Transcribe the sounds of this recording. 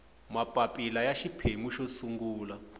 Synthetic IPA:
mapʼapʼilajaʃipʰemuʃosuŋɡuːla

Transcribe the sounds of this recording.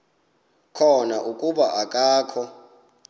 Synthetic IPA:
kʰɔnaʔukʼuɓaʔakʼaːkʰɔ

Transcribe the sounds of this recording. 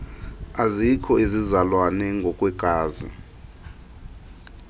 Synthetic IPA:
azikʰɔizizalwanɛŋɡʱɔkʼwɛɡ̥ʱaːzḭ

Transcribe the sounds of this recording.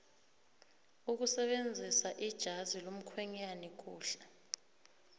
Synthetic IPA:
uk̬usɛɓend͡zʱisaʔid̥ʒ̥ʱazilom̩kʰwɛɲanik̬ʼuːɬɛ

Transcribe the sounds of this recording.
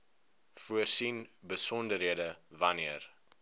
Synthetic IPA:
fuərsin | bəsɔndəɾɦiədə | vɐniər

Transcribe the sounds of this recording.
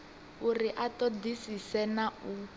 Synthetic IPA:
uriʔatɔdisisɛnau

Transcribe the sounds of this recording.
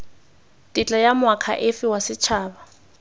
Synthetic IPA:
tʼit͡ɬʼajamʊakʰa̰ʔɪfɪwasɪt͡ʃʰaːba

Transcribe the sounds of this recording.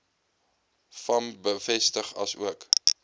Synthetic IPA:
fɐmbəfɛstəχɐ̰sṵək

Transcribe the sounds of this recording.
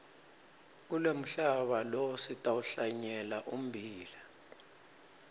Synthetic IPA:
k̬ulem̩ɬaɓalɔsitʼawuɬaɲɛlaʔum̩bʱiːla

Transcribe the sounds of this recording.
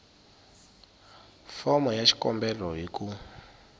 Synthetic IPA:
fɔmɔjat͡ʃi̥kɔmbɛlɔɦiku

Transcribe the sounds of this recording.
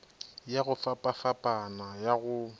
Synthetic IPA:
jaɣʊfapʼafapʼanajaɣʊ

